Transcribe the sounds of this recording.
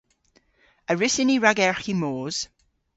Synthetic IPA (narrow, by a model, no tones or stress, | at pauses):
əɹɪsɪniɹaɡɛɹximoːz̥